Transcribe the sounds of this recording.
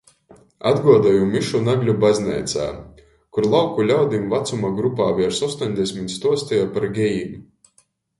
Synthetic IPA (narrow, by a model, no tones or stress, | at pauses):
ad̪ɡuɔd̪ajumiʃunaɡlʲubazʲnɛ̰ːt̪sa̰ː | kuɾlˠawkulʲawd̪imvat̪sumaɡɾupaːviɛɾsɔst̪ɔɲʲd̪esʲmʲit̪st̪uɔst̪ɛjapaɾɡʲɛjim